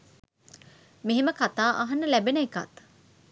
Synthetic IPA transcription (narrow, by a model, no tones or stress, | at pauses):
meɦeməkat̪aːʔɐɦɐnːəlæbenɐeka̰t̪